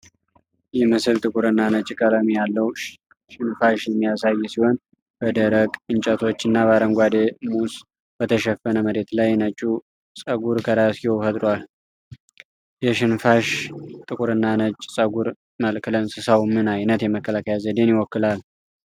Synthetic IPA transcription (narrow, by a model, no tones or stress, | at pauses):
jɛmɨsɨlt̪ʼɨkʼuɾɨnːanət͡ʃʼːkʼəɾəmijalːəw | ʃɪnfaʃjɛmːijasajːsiho̞n | b̥əd̪əɾəkʼɨnt͡ʃʼət̪ʰo̞t͡ʃːɨnːaβaɾəŋɡʷad̪emus | b̥ət̪ʰəʃɛfːənəməɾe̞t̪lajnət͡ʃʼːu | sʼəɡuɾkʰəɾasiowfət̪ʼɾwal | jɛʃɪnfaʃt̪ʼɨkʼuɾɨnːanət͡ʃʼːsʼəɡuɾ | məlkʰlənsɨsawmɨnajnət̪jɛməkːəlakʰəjazəd̪e̞njɪwɔkːɨlal